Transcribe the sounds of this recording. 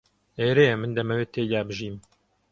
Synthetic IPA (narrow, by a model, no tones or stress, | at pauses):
eːɾejɛmɨnd̪ɐmɐweːt̪ʰeːd̪aːbɨʒiːm